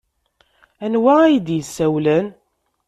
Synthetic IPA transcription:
ænwææjəd̪jəsːæwlæn

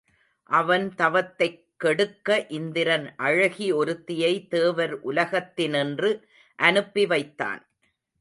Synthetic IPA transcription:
ʔɐʋɐnt̪ɐʋɐt̪ːɐɪkːɛɽɯkːɐʔɪnd̪ɪɾɐnʔɐɻɐɣiɔɾɯt̪ːɪjɐɪt̪eːʋɐɾʔʊlɐɣɐt̪ːɪnɪndrɯ | ʔɐnɯpːiʋɐɪt̪ːa̰ːn

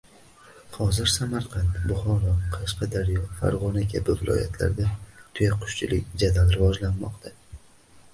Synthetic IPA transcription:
hɒzɪɾsamaɾqʰɑnt̪bʊχɒɾɒqʰɑʃqɑd̪aɾjɒfa̰ɾʁɒnakʲʰabɪvɪlʔɒ̰ja̰t̪ʰla̰ɾd̪at̪ʰʊjaqʰʊ̥ʃt͡ʃʰɪlʔɪkʲd͡ʒad̪alɾɪvɒd͡ʒlanmɒ̰qt̪ʰa

